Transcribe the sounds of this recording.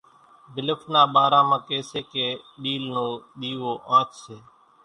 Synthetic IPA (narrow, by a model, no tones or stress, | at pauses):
bɪləfʰnãːɓaːɾãːmãːkeːseːkeːɗiːlnõːɗ̪iːʋoːʔãːt͡ʃseː